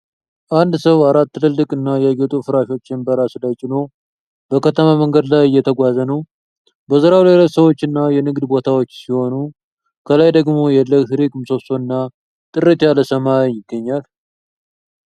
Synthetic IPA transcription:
ʔand̪səwaɾat̪ːɨlɨlːɨkʼɨnːajaɡet̪ʼufɨɾaʃo̞t͡ʃːɪnbəɾasɨlajt͡ʃʼɪno̞ | bəkʰət̪ʰəmaməŋɡəd̪lajɨjːɛt̪ʰəɡʷazənəw | bəzəɾawlajlət̪səwo̞t͡ʃːɨnːajɛnɨɡd̪bo̞t̪ʰawot͡ʃːsiho̞nu | kʰəlajd̪əɡmo̞jɛləɡt̪ʰɨɾikʼmɨso̞soɨnːa | t̪ʼɨrət̪ʰjaləsəmajɪɡːəɲːal

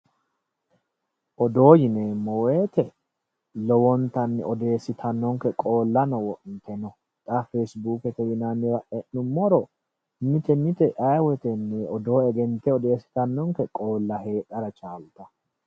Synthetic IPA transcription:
ʔɔd̪o̞ːjɪneːmːɔweːt̪ɛ | lɔwɔnt̪ɐnːɪ̰ɔd̪e̞ːsɪt̪ʰɐnːɔŋkɛkʼo̞ːlːɐnɔwɔʔnt̪ɛnɔ | t̪ʼafesbuːkɛt̪ɛjɪnɐnːɪɾɐʔɛnnʊmːɔɾɔ | mɪt̪ɛmɪt̪ɛʔɐjwɛt̪ɛnːɛɔd̪o̞ːɛɡɛnt̪ːɛɔd̪e̞ːsɪ̥t̪ɐnːɔŋkɛkʼo̞ːlːɐhe̞ːt̪ʼːɐɾɐt͡ʃʼaːlt̪ʼːɐ

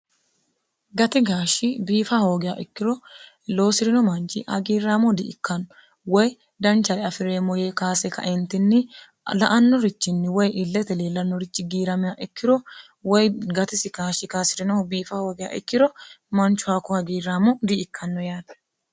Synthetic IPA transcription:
ɡɐt̪ɪɡaːʃɪbiːfɐho̞ːɡɪja̰ːʔɪkːɪɾɔ | lo̞ːsɪɾɪnɔmɐnt͡ʃːɪhɐ̰ɡiːrːaːmɔd̪ɪʔɪkːɐnː | wɔj | d̪ɐnt͡ʃːɐɾɛɐfɪɾeːmɔjeːkaːsɛkɐ̰ʔɛnt̪ɪnːɪ | lɐ̰ʔɐnːɔɾɪt͡ʃːɪnːɪwɔjɪlːɛt̪ɛle̞ːlːɐnːɔɾɪt͡ʃːɪɡiːɾɐmɪjaːʔɪkːɪɾɔ | wɔjɡɐt̪ɪsɪkaːʃɪkaːsɪɾɪnɔbiːfɐho̞ːɡɪja̰ːʔɪ̰kːɪɾɔmɐnt͡ʃːʊhaːkːɔhɐɡiːrːaːmɔd̪ɪɪkʰːɐnːɔjaːt̪ɐ̥

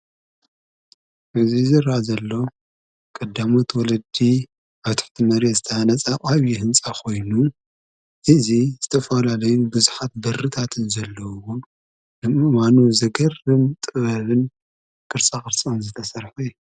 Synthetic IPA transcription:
ʔɨzizɨɾazɐlːo̞ | kʼɐd̪ːamo̞t̪wɔlɐd̪i | ʔaβt̪ʰɨ̥ħt̪ʰimɐɾezɨt̪ʰɐanɐt͡sʼaʔʼaβjihɨnt͡sʼakʰo̞jnu | ʔɨzizɨt̪ʰɐfɐlalɐjubɨzuħat̪̚bɐrːɨt̪ʰat̪ʰɨnzɐlːɐwɔ | dɨmɨwanuzɐɡɐrɨmt̪ʼɨβɐβɨn | kʼɨɾt͡sʼaxʼɨɾt͡sʼɨnzɨt̪ʰɐsɐɾħuj

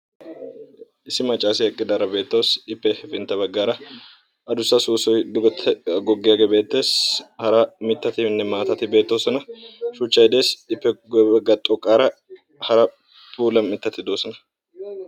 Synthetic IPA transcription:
ʔɪsɪmɐt͡ʃʼaːsɪɐkʼːɪd̪ɐɾɐbe̞ːt̪ːɐwsɪpːɛhfɪnt̪ːɐbɐɡːaːɾɐ | ɐd̪ʊsːɐsuːsɔjd̪ʊɡt̪ʰɡɔɡːejɐɡɛbe̞ːt̪ːe̞ːshɐɾɐmɪt̪ːɐt̪ɪnːɛmaːt̪ɐt̪ɪbe̞ːt̪ːo̞ːsɔnɐʃʊt͡ʃːɐjd̪e̞ːsɪpːɛɡɐɡɐt̪ʼɔkʼːaːɾɐ | hɐɾɐ | puːlɐmmɪt̪ːɐt̪ɪd̪oːsɔnɐ̥

